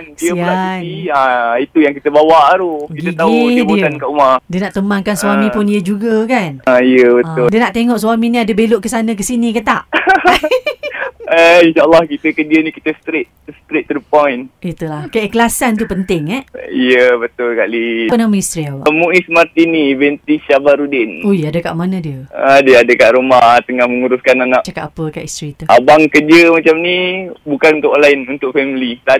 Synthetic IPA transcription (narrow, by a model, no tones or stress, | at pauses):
ndiəianiait̪ujaŋkit̪əbawaʔaɾokiɡ̪ət̪aubdiuəankaʔumadiənaʔt̪əmankanswamĩpʊnijəd͡ʒuɡakanaijəbət̪ːʊldiənaʔt̪eŋɔʔswaminĩadəbelʊʔkəsanə̃k̬əsinikət̪a̰ʔ | əinʃaəlːahkit̪əkəndiənikit̪əst̪ɾet̪̚st̪ɾet̪̚t̪ːɾipɔjnit̪ulahkaʔkəlasant̪̬upənt̪ɪŋɛijəbət̪ʊlkaʔlipənamə̃ist̪ɾiawa̰muʔismart̪inivɛnt̪iʃabaɾudɪnojadəka̰ʔmanədiəadiəadəkaʔɾumaht̪əŋahməŋuɾuskananaʔt͡ʃakat̪apəka̰ʔist̪ɾit̪uʔabaŋkəd͡ʒəmat͡ʃamnibukanunt̪ʊkʔɔnlainunt̪ʊk̚fɛmilit̪a